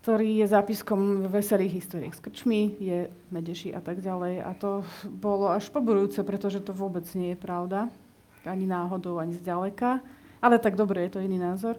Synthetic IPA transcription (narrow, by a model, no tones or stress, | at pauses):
k̚t̪ɔɾiːjɛzaːpiskɔmvʋɛsɛliːɣɦist̪ɔːɾḭaxskr̩t͡ʃmijɛ | mɛɟɛʃiʔa̰t̪aɡɟalɛja̰t̪ɔbɔlɔaʃpɔbuɾujuːt͡sɛpɾɛt̪ɔʒɛt̪ɔʋʊɔbɛd͡zɲɪɛjɛpɾaʊd̪a | aɲinaːɦɔd̪ɔʊaɲizɟalɛka | ʔalɛt̪aɡd̪ɔbɾɛjɛt̪ɔiniːnaːzɔɾ